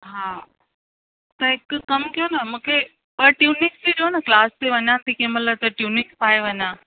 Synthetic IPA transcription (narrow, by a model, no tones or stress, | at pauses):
ɦaː | t̪ɐɦɪkkɐmkijonɐmũːkʰe | pɐɾʈjuːnɪkst̪iɗionɐklaːst̪iʋɐɲãːnt̪ikẽmɐt̪ləb̚t̪ɐʈjuːnɪkpaːeʋɐɲãː